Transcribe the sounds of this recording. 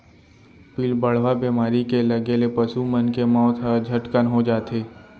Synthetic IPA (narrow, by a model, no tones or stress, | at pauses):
piːlbəɽ̤ʋabeːmaːɾikelɐɡelepəsumənkemɔ̃ːt̪ʰɦəd͡ʒʱəʈkənɦod͡ʒaːt̪ʰeː